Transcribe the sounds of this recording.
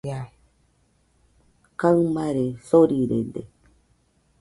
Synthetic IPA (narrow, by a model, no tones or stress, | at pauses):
a | kamaɾesoɾiɾḛnd̪ḛ